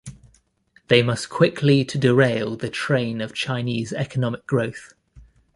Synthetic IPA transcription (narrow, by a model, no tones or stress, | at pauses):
ðeɪmʌskʰw̥ɪkʰlitʰədɪɹeɪlˠðətʰɹ̥ẽɪ̃nəv̥t͡ʃʰaɪniːzɛkənɒmɪk̚ɡ̥ɹəʊθ